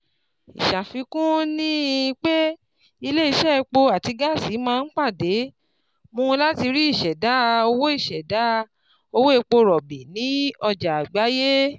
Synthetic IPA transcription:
ḭ˨ʃa˨fi˧kũ˦nĩ˦˧k͡pe˦ | i˧le˦i˧ʃɛ˦˧k͡po˧a˨ti˧ɡa˦˨si˨˦mãː˧n̩˦k͡pa˦˨de˨˦ | mõ˧ũ˧la˦ti˧ɾi˦i˦˨ʃɛ˨da˨˦˧o˧wo˦i˦˨ʃɛ˨da˨˦˧ | o˧wo˦e˧k͡po˧ɾɔ˨bi˨nĩ˨˦ɔ˧d͡ʒa˨a˨ɡ͡ba˨˦je˦

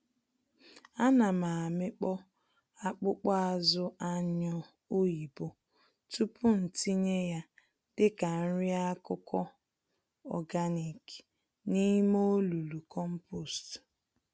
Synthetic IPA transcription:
a˦na˨ma˨a˨mɪ˦k͡pɔ˦ | a˦k͡pʊ˦k͡pa˦a˨zʊ˦ʔa˦ɲɔ˦ | o˦i˨bo˦ | tu˦pʊ˦n̩˨ti˦ɲe˦ja˦ | d̥ɪ˦ka˨n̩˦ɾi˦a˦kʊ˦kɔ˦ | ɔ̰˨ɡa˦ni˨k | ni˦mo˦lu˨lu˨kɔ˦m̩˦po˨st

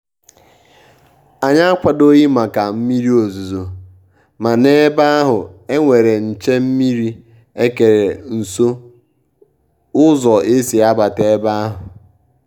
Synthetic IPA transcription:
a˨ɲa˦a˦kʷa˨do˦ji˦ma˨ka˨m̩˦mi˦ɾi˦o˨zu˨zo˨ | ma˨ne˦ba˦a˦ɦʊ˨e˦ŋʷe˨ɾe˨n̩˨t͡ʃe˦m̩˦mi˦ɾi˦ | e˦ke˨ɾe˨n̩˨so˦ | ʊ˦zɔ˨e˦si˨a˦ba˨te˦ba˦a˦ɦʊ˨

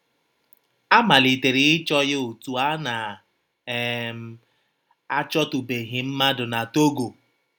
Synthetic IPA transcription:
a˦ma˨li˨te˨ɾi˨ɪ˦t͡ʃɔ˦jɪ˦o˨tu˨a˦na˨ | m˨ | a˦t͡ʃɔ˦tʊ˨be˨ɦɪ˨m̩˦ma˦dʊ˨na˨to˦ɡo˨

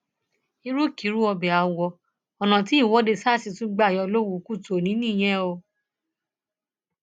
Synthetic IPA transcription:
i˧ɾu˦ki˨˦ɾu˦ɔ˧bɛ˨a˨wɔ˧ | ɔ˨nã˨ti˨˦i˦˨wɔ˨˦de˧sa˦˨si˨˧tũ˦ɡ͡ba˦˨jɔ˧lo˦wu˨˦ku˦˨to˨nĩ˨˦nĩ˦˨j̃ɛ̃˦o˧

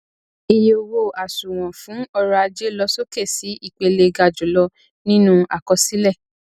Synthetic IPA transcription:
i˨jo˨wo˧a˨su˨w̃ɔ̃˨fũ˨˦ɔ˧ɾɔ˧a˧d͡ʒe˦lɔ˧so˦ke˦˨si˨˦ʔi˦˨k͡pe˧le˧ɡa˧d͡ʒu˨˦lɔ˧ | nĩ˦nũ˦a˨kɔ˧si˦lɛ˦˨

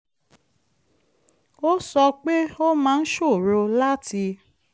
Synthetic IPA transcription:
o˦sɔ˧k͡pe˦o˦mãː˨˦˧n̩˦ʃo˦˨ɾo˧la˦tʰi˧

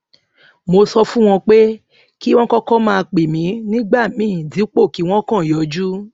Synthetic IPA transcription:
mo˧sɔ˧fũ˦w̃ɔ̃˧k͡pe˦ | ki˦w̃ɔ̃˦kɔ˦kɔ̃˦mãː˧k͡pe˨mĩ˨˦nĩ˦ɡ͡ba˦˨mĩ˨˦˨ti˨˦k͡po˦˨ki˨˦w̃ɔ̃˦kã˦˨jɔ˨˧d͡ʒu˦

